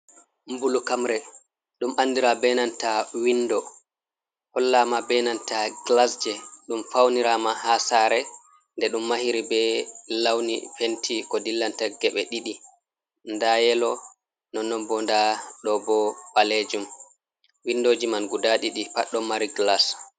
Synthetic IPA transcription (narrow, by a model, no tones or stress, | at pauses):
mbulukamɾɛ | ɗumʔanːdiɾabɛnantawindɔ | hɔlːamabɛnantaɡlasd͡ʒɛɗumfawniɾamahasaɾɛ | ndɛɗumːahiɾibɛlawnifentʰikɔdilːantaɡɛɓɛɗiɗi | ndajɛlɔ | nɔnːɔbɔndaɗɔbɔbaled͡ʒum | windod͡ʒimanɡudaɗiɗipaɗːɔmaɾiɡlas